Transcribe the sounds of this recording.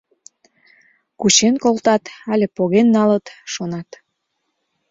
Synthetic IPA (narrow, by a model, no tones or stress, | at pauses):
kut͡ɕenkolt̪ɑt̪ɑlʲepoɣenːɑlət̪ʃonɑt̪